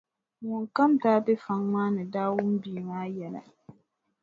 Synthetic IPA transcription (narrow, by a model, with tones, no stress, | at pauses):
wʊ˨ŋka˦mtaː˦bɛ˦fa˦ŋmaː˦nɨ˨daː˦wʊ˦m˦biː˨maː˦jɛ˨la̰˨